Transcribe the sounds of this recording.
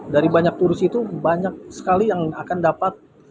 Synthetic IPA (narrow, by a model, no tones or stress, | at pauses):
daɾibaɲak̚t̪uɾɪsit̪ubaɲak̚sə̥kalijaŋakandapat̪̚